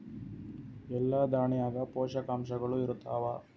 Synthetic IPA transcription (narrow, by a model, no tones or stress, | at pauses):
ɛlːɐd̪aːɳijaːɡɐpɔːʃɐkaːmʃɐɡɐɭuiɾut̪ːaːʋa